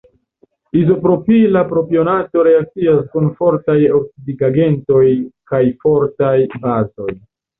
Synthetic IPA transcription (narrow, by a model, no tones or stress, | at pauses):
izo̞pɾo̞pilapɾo̞pio̞nato̞ɾe̞ak̚t͡siaskunfo̞ɾtajoksidiɡaɡe̞nto̞jkajfo̞ɾtajbazo̞j